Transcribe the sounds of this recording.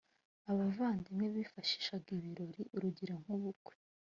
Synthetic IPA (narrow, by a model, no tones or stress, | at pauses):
aβavaːndimŋeβifaʃi̥ʃabɡiβiɾo̞ɾiʔuɾuɟiɾeŋ̥huβuɡwe̥